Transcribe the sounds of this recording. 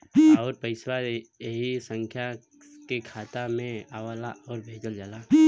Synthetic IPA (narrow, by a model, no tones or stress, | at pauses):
ɔːɾpəɪswaeɦisə̃ŋkʰja | kekʰaːt̪amẽaːʋaːlaɔːɾbʱeːd͡ʒəld͡ʒaːla